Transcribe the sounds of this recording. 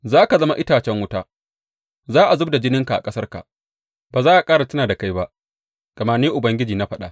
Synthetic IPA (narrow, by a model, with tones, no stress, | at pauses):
zaː˦ka˨zɐ˦ma˦ʔɪ˦taː˨t͡ʃɛ˦ŋwʊ˦taː˦ | zaː˦ʔa˨zʊ˦b̚da˨d͡ʒɪ˦nɪ˦ŋka˨ʔa̰˨kʼɐ˦sɐ˦rka̰˨ | b̥aː˨zaː˦ʔa˨kʼaː˦ɽa˨tɐ˦naː˨da˨ka˦jba˦ʔ | ɡ̥ɐ˨ma˦neː˦ʔʊ˨bɐ˦ŋɡʲɪ˦d͡ʒiː˨na˦ɸɐ˦ɗa˦